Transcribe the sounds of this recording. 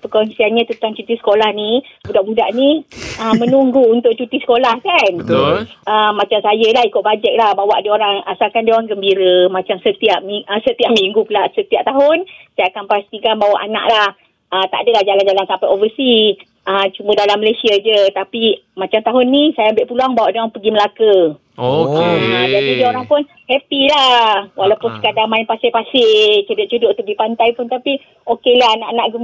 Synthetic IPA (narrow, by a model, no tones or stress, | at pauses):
pəkɔnsianɲat̪ət̪aŋt͡ʃut̪isə̥kolahnibudaʔbudaʔniəmənuŋɡuːnt̪ʊʔ̚t͡ʃut̪isə̥kolahkan | əmãt͡ʃamsajəlahikʊʔ̚bad͡ʒɛk̚lahbawa̰ʔdioɾaŋa̰salkandioɾaŋɡəmbiɾəmat͡ʃamsət̪iap̚miəsət̪iap̚miŋɡupəlaʔsət̪iap̚t̪aɦʊnsiakanpast̪ikanbawaʔana̰ʔlah | ət̪a̰ʔdəlahd͡ʒaland͡ʒalansampajʔovəsi | ət͡ʃumədalaməlajsiad͡ʒət̪apimat͡ʃamt̪aɦʊnːĩsajambɪʔpuluaŋbawaʔdoŋaŋpəɡiməlakə | oad͡ʒadidaoɾaŋpʊn | hɛpilahwalawpʊnsə̥kadaŋmaɪnpasɪʔpasɪʔt͡ʃudʊʔt͡ʃudʊʔt̪ubipant̪ajpʊnt̪api | okelaanaʔanaʔɡu